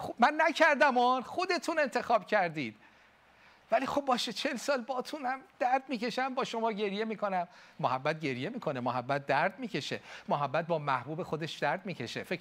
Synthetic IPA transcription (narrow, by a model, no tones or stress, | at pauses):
xubmænːæcʰæɾd̪æmonxo̞d̪e̞t̪ʰune̞nt̪ʰe̞xɒːbcʰæɾd̪iːd̪̚ | væliːxo̞b̚ːɒːʃet͡ʃʰe̞lsɒːlbɒːt̪ʰunæmd̪̥æɾd̪̚miːce̞ʃæmbɒːʃo̞mɒːɟe̞ɾje̞miːkʰo̞næmːohæbːæt̪̚ɟe̞ɾje̞miːkʰo̞nemoɦæbːæt̪̚d̪æɾd̪̚miːcʰe̞ʃe̞̰moɦæbːæt̪̚bɒːmæhbuːbe̞xo̞d̪e̞ʃd̪æɾd̪̚miːcʲʰe̞ʃḛfek